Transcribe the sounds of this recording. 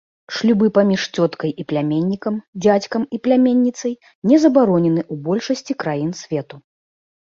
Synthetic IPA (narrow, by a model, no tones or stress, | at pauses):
ʂlʲubɨpamʲiʂt͡sʲɔt̪kɐjʔiplʲamʲenʲːikɐmd͡zʲat͡sʲkɐmiplʲamʲenʲːit̪sɐj | nʲɛzɐbaɾɔnʲɛnɨʔubɔlʲʂɐsʲt͡sʲikɾajinsʲvʲɛt̪u